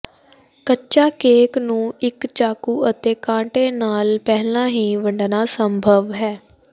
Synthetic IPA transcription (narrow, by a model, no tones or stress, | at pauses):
kətːt͡ʃaːkeːknũːɪkt͡ʃaːkuːət̪eːkãːʈeːnaːlpɛɦlãːɦiːʋəɳɖnaːsəmbʱəʋɦɛː